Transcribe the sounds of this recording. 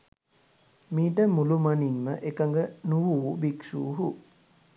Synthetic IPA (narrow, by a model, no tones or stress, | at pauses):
miːʈ̬əmulumanimːəʔekəŋɡənuʋuːbiksṵːɦu